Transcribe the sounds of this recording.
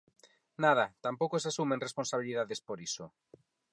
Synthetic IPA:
nað̞at̪ampokoes̬asumẽŋresponsaβ̞iliðaðespoɾiso

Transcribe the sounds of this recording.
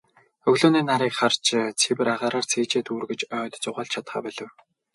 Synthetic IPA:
ɵɣɮoːniːnaɾiːkχart͡ɕt͡sʰewɘ̆ɾaʁaːɾaːr̥t͡sʰeːt͡ɕeːt̪uːrɣɘ̆t͡ɕœːt̪t͡sʊʁaːɮt͡ɕʰat̪χa̰ːpæɮə̆w

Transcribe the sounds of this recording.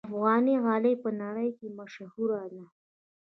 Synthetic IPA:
afɣɑniɣɑlepənaɽəjkemaʃhuɾala

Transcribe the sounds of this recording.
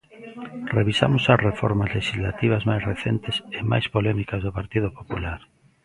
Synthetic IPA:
reβisa̰mʊsɐsrefɔɾmazleʃizla̰t̪iβ̞azmajsreθent̪ɪsema̰jspolɛmikazðopaɾt̪iðopopulaɾ

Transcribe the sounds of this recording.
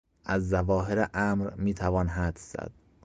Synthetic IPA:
ʔæzːævɒːɦeɾeʔæːmɾmiːt̪ʰævɒːnɦæd̪fz̥æ̰d̪̥

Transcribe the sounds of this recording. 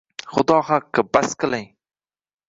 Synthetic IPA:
χʊd̪ɒhɑqːɨbasqɨlˠɪŋ

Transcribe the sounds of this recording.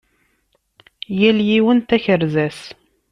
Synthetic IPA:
jæljiwənt̪æçəɾzæs

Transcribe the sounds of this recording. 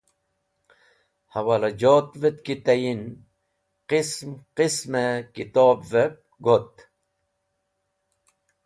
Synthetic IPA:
hɐwalad͡ʑoːt̪vet̪̚kit̪ajin | qismqismekit̪oːbvep̚ | ɡʱot̪

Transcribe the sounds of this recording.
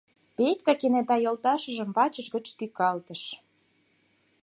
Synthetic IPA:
pet̪ʲkɑkenet̪ɑjolt̪ɑʃə̆ʒə̆mvɑt͡ɕə̆ʒɣə̆t͡ɕkykɑlt̪ə̆ʃ

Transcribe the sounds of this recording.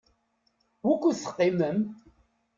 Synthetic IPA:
wækʷːuθə̥qːɪməm

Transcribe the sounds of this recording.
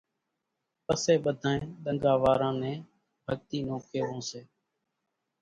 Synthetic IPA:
pəseːɓəd̪ʱãːẽːɗ̪əŋɡaːʋaːɾãːnẽː | bʱək̚t̪iːnoːkʰeːʋõːseː

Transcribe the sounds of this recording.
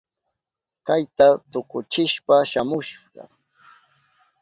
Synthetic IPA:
kajt̪at̪ʊkʊt͡ʃɪʃpaʃamʊʃɢɑ̰

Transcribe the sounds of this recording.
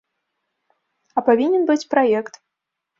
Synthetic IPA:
ɐpavʲinʲɛnbɨt͡sʲpɾajɛkt̪

